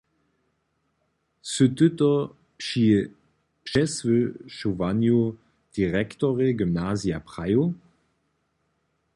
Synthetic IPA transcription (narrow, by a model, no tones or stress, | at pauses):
søtʏtɔ | pʃi | pʃɛsvøʃuvanjo | d̥iʁɛktoʁeɡymnaːzijapʁajo